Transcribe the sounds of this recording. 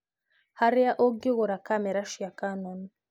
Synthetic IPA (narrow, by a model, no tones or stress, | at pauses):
haɾɪaʔoɡɪɣʊɾakamɛɾaʃujakanɔnu